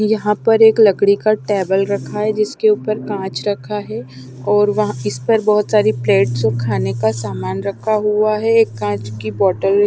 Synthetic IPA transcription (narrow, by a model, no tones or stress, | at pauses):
jɐɦãpɐɾeːklɐɡɽikaʈɛːbəlɾɐkʰaɦɛd͡ʒɪskeuːpəɾkãːt͡ʃɾɐkʰaɦɛ | ɔːɾʋɐɦɪspɐɾbɔːʊt̪saːɾipleːʈsokʰaːnekasaːmaːnɾɐkʰaɦuaɦɛeːkːãːt͡ʃkibɔːʈəl